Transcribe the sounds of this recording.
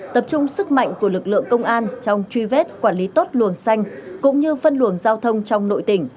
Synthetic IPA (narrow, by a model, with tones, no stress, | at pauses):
t̪ə˨˩p̚t͡ɕʊ˧ŋ͡msɨ˦˥k̚ma̰˧˨jŋ̟ku˧˩əlɨ˨˩k̚lɨ̰˧˨əŋkə˧wŋ͡mʔaː˧nt͡ɕɔ˧wŋ͡mt͡ɕwi˧ve˦˥t̚kwaː˧˩nli˨˦t̪o˦˥t̚lɨ̰˧˩əŋsa˧jŋ̟kʊ̰˧˥ŋ͡mɲɨ˧fə˧nlɨ˧˩ənzaː˧wt̪ʰə˧wŋ͡mt͡ɕɔ˧wŋ͡mno̰˧˨jt̪ï˧˩ŋ̟